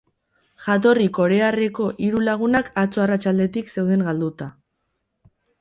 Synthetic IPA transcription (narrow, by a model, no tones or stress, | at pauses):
ʝat̪̬o̞riko̞ɾe̞are̞ko̞ʔiɾulaɣ̞unakat͡soarat͡ʃald̪e̞t̪ikse̞wðe̞ŋɡald̪ut̪a